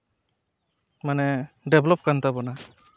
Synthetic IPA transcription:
manɛɖɛblɔp̚kant̪abɔna

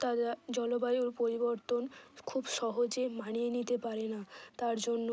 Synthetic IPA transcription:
t̪ad̪ad͡ʑɔlobajuɾpoɾiboɾt̪onkʰubʃɔɦod͡ʑemaɽienit̪epaɾenat̪aɾd͡ʑonːo

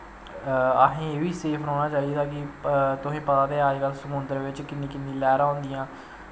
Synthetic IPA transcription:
əɦẽːeːʋiːseːpʰɾoːnaːt͡ʃaːid̪aːkɪt̪ʊsẽːpət̪aːt̪eːaːd͡ʒkəlsəmʊnd̪əɾʋɪt͡ʃkɪnːĩːkɪnd̪ĩːlɛːɾaːõːnd̪ijãː

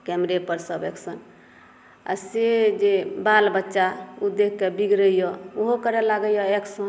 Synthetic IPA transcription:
kɛmɾepəɾsəbɛksən | a̰sed͡ʒebalbətːʃaud̪ekʰːebiɡɾəijɔoɦokəɾɛlaɡəjɔeksən

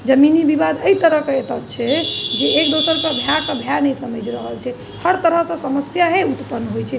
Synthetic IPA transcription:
d͡ʒəminibibad̪əit̪əɾəɦkeet̪ət̪t͡ʃʰɛd͡ʒeːkd̪osəɾkebʱjakəbʱjanəjsəməd͡ʒɾəɦəlt͡ʃʰɛ | həɾt̪əɾəɦsə̃səməsjaɦẽut̪pənːɦojt͡ʃʰɛ

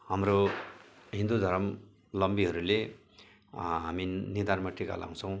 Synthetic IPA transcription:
hamɾo | ɦĩnd̪ud̪ʱʌɾʌm | lʌmbiɦʌɾule | ɦaminird̪ʱanmaʈika̰la̰w̃t͡sʰʌ̃w̃

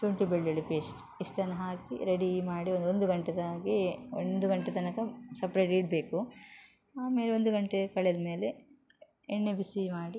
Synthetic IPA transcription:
tuɳʈibeɭːɐɭipeːsʈ | iʂʈɐnːɐɦaːkḭɾeɽimaːɽiond̪uond̪uɡɐɳʈed̪aːɡind̪uɡɐɳʈet̪ɐnɐkɐsɐpɾeːʈiːʈ̚beːku | aːme̞ːleo̞nd̪uɡɐɳʈekɐɭed̪ɐme̞ːle | eɳːebisimaːɽi

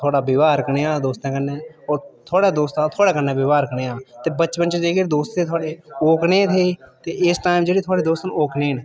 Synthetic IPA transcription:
t̪ʰoːɽabɪʋaːɾkəneãːd̪oːst̪ẽkəneːɔːɾt̪ʰoːɽed̪oːst̪ãt̪ʰoːɽekənẽbɪʋaːɾkəneːãːt̪ebətːt͡ʃpənt͡ʃed͡ʒekeɾd̪oːst̪ẽt̪ʰoːɽeoːknẽt̪ʰeːt̪eʔɪsʈaːɪmd͡ʒeɽeːt̪ʰoːɽed̪oːst̪noːkneːn

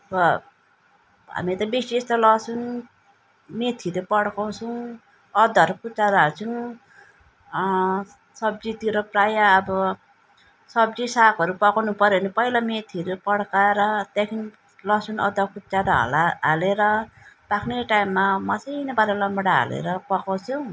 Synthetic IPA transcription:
ʌbʌ | ɦa̰mit̪ʌbisest̪ʌlʌsun | met̪ʰiɾepʌɽkaw̃sʰu | ʌd̪ʌɾukʰut͡saɾaɦat͡sʰu | sʌb̚d͡zit̪iɾoprajaːbʌ | sʌbd͡zisakʌɾupʌkawnupʌɾjonipʌilamet̪ʰiɾopʌɽkaeɾʌt̪ekʰin | lʌsunʌ̰d̪ʌkʰut͡saɾaɦʌ̰laɦa̰leɾʌ | pakʰneʈajmːamʌt͡sʌjnʌbaɾelʌmbɽaɦa̰lḛɾʌpʌkaw̃t͡sʰũ

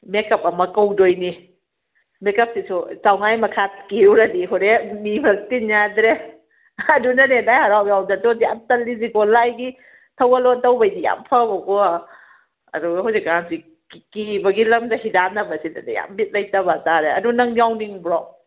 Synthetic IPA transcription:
mekɐp̚ɐmɐkɐwdojni | mekɐp̚sisʰut͡ʃawŋajmɐkʰat̚kiwɾɐdiɦɔɾenimɐk̚tinjadɾe | ɐdunɐnenajhaɾawjawdadɔdja̰mtɐlːiziɡɔlajɡi | tʰɐwɐlɔtɐwbɐjdija̰mpʰɐbɐɡɔa | ɐ̰duɡɐɦɔjzekansi | kibɐɡilɐmdɐɦidanɐbɐsidɐdaja̰mbit̚lɐjtɐbataɾeɐdunɐŋjawniŋbɾɔ

